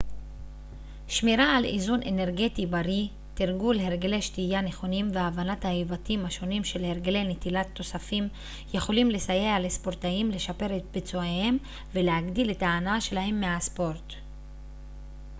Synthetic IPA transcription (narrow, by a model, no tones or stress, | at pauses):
ʃmiʁaːlḭzunʔḛne̞ʁɡe̞tibaɾi | tiʁɡuleɦeʁɡele̞ʃtijane̞χo̞nimveavanathaivatimhaʃo̞nimʃe̞lhe̞ʁɡele̞jnetilat̪ːo̞safim | je̞χo̞limlesaje̞alespo̞ʁtaimle̞ʃape̞ɾet̚bet͡soehe̞m | ve̞lehaɡdile̞taːnaʃe̞lahe̞mːeaspo̞ʁt